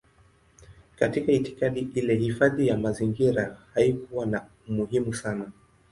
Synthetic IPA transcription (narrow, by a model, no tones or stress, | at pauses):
katikaiti̥kaɗiʔilɛhifaðijamaziŋɡiɾahaikuwana | muhimusana